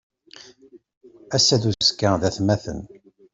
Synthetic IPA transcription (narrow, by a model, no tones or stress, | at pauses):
æsːæðuskːaðæθmæθə̰n